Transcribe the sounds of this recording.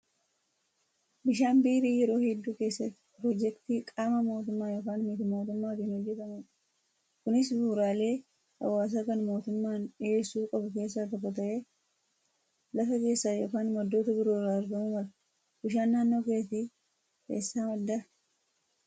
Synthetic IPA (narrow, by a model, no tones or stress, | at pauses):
bɪʃaːnbiːɾiːjɛɾo̞ːhɛd̪ːuːke̞ːsːɐt̪ːɪ̥pɾɔd͡ʒɛkt̪ikʼaːmɐmo̞ːt̪ʊmːaːjɔkaːnmit̪ɪmo̞ːt̪ʊmːaːfiːnhɔd͡ʒːɛt̪ɐmʊᶑ | kʊnɪs̬buːɾaːle̞ː | hɐ̰waːs̬aːkɐnmo̞ːt̪ʊmːaːneːsuːkʼɐbɐke̞ːs̬ːakɐbɐt̪ɐʔe̞ː | lɐfɐke̞ːsːaːjɔkaːnmɐd̪ːo̞ːt̪ɐbɪɾoːɾaːɾɡɐmʊmɐlɐ | bɪʃaːnːaːnːo̞ːkeːsiː | kḛːsːaːmɐd̪ːɐ